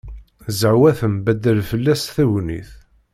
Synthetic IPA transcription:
zəʕwæθəmbæd̪ːəlfəlːæsθæwnḭθ

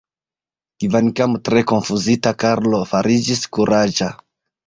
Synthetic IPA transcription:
kivankamtɾe̞ko̞nfuzitakaɾlo̞faɾid͡ʒiskuɾʔad͡ʒa

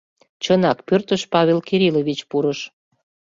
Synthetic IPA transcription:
t͡ɕənɑkpørt̪əʃpɑβʲelkiɾiloβit͡ɕpuɾəʃ

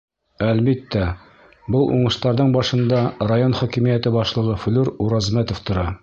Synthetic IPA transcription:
ælbit̪ːæ | bɤlˠʔṵɴɤ̆ʃt̪ɑɾðɤɴbɑʃɤ̆nd̪ɑrajonχɒkimijæt̪ɘbɒʃlˠɤ̆ʁɤfɵ̆lʉɾuɾɑzmæt̪ŏft̪ŏɾɑ

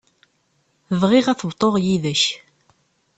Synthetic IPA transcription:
vʁɪʁæθəbt̪ˤːoʁjiðəç

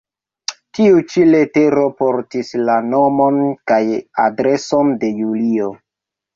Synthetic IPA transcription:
tiut͡ʃile̞te̞ɾo̞poɾtislanomo̞nkajadɾe̞sonde̞julio

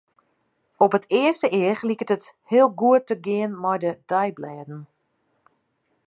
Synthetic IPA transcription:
ɔpətʰɪəstəʔɪəxlikətət | hɪəlˠɡuətːəɡɪənmɔjdəd̥ɛjblɛːdn̩

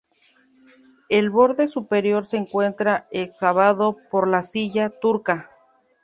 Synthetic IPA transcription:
e̞lβo̞ɾðe̞supe̞ɾjo̞ɾse̞ːŋkwe̞nt̪ɾaeksaβaðo̞po̞ɾlasiʝat̪uɾka

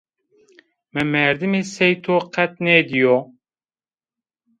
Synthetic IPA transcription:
mɛmɛɾd̪ɨmeːsɛjt̪ʰoːqɛt̪̚neːd̪ijoː

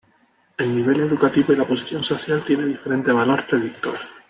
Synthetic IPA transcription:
e̞lniβ̞e̞le̞ðukat̪iβoilapo̞si̥θjo̞nso̞θjalt̪je̞ne̞ðife̞ɾẽ̞nt̪e̞βalo̞ɾpɾeðikt̪oɾ

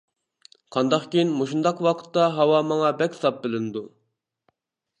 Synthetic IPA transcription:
qʰɑnd̪ɑqkʲijinmoʃund̪ɑqwɑqʰə̥t̪ːɑɦɑwɑmɑŋɑbɛkʲsɑp̚bɪlɪnɪd̪u

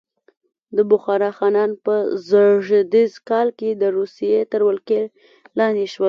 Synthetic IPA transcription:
d̪əbʊxɑɾɑxɑnɑnpəzəʒəd̪izkɑlked̪əɾusijet̪əɾwəlke | lɑnd̪eʃwəl

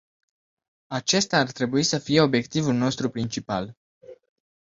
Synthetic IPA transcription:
at͡ʃe̞st̪aːrt̪ɾe̞buisəfije̞o̞bje̞kt̪ivulno̞st̪ɾupɾint͡ʃipa̰l

